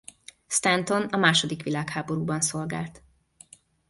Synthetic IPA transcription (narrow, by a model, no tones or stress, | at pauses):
st̪ɛnt̪o̞nɒmaːʃo̞d̪ikʋilaːkhaːbo̞ɾuːbɒnso̞lɡa̰ːlt̪